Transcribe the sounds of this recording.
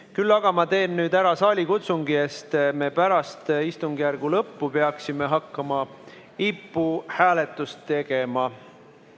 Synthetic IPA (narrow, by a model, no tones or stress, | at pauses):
kylːɑɡ̥ɑmɑt̪e̞ːnːyːd̪æɾɑsɑːlʲikut̪suŋɡ̥ie̞st̪me̞pæɾɑst̪ist̪uŋɡ̥jærɡ̥ulɤpːupeɑksime̞ɦɑkːˑɑmɑ | ipːˑuhæːle̞t̪ːˑust̪ːe̞ɡ̥e̞mɑ